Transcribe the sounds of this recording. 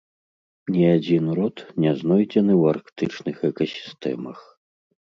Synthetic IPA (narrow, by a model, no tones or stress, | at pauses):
nʲiad͡zʲinɾɔt̪nʲɛznɔjd͡zʲɛnɨwarkt̪ɨt͡ʂnɨxɛkɐsʲi̥st̪ɛ̰mɐx